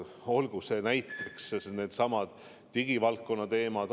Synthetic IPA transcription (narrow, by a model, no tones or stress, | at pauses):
o̞lɡ̥use̞næjt̪ːˑeksne̞ːd̪̥sɑmɑd̪̥ | t̪iɡ̥ivɑlkːo̞nːɑt̪e̞ːmɑd̪̥